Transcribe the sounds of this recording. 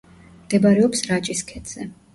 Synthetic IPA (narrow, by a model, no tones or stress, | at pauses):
md̪̥ɛbaɾɛɔpsɾat͡ʃʼiskʰɛt̪z̥ɛ